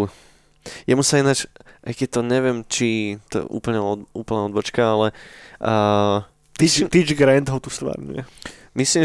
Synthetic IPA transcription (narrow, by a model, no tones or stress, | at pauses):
jamusainat͡ʃʔajkɛt̚t̪ɔɲɛʋɪɛmt͡ʃit̪ɔ̰ɛ̰ʔṵːpl̩ɲɛɔṵːpl̩naɔd̪bɔt͡ʃkaalɛ | it̪id͡ʒɡɾɛnd̪ɦɔt̪ust̪ʋa̰ɾɲṵjɛ | misliːm